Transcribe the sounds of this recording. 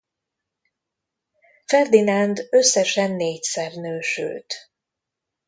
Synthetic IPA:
fɛrd̪inand̪øsːɛʃɛnːeːcsɛrnøːʃø̰ːt̪

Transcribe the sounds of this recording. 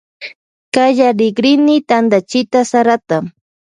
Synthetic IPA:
kaʒaɾɪɡɾɪnɪt̪and̪at͡ʃɪt̪asaɾat̪a

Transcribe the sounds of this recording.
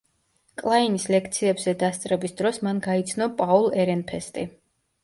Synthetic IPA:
kʼlˠainislɛkʰt̪sʰiɛbzɛd̪ast̪sʼɾɛbisd̪ɾɔsmanɡait̪sʰnɔpʼaulˠɛɾɛnpʰɛst̪ʼi

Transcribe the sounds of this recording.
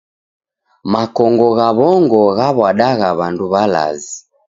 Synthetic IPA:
makɔŋɡɔɣaβɔŋɡɔɣaβaɗaɣaβanduβala̰zi

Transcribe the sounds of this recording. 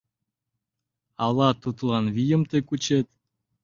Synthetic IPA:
ɑlɑt̪ut̪lˠɑnβijə̆mt̪ekut͡ɕet̪̚

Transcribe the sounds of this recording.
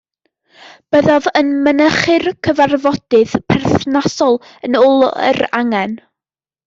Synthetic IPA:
b̥əðɔvənmənəχɨrkʰəvarvɔd̥ɨðpʰɛrθnasɔlˠ | ənʊlˠə̰ɾa̰ŋɛn

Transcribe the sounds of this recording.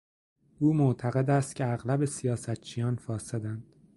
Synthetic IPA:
ʔuːmoʔt̪ʰæɣe̞d̪æst̪cʰʲeæɣlæbe̞sijɒːsæt̪̚t͡ʃʰijɒːnfɒːsed̪ænd̪̥

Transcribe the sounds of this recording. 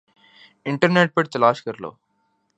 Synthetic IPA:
iɳʈɐɾneːʈ̚peʈt̪ɐlaːʂkɐɾlo̰ː

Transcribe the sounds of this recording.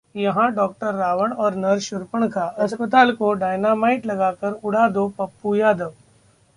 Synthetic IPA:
jɐɦãɖɔːk̚ʈəɾːaːʋəɽ̃ɔːɾnɐɾʃʊɾpəɳ̃kʰaːɐspət̪aːlkoɖaːɪnaːmaːɪʈlɐɡaːkəɾʊɽ̤aːd̪opɐpːujaːd̪əʋ

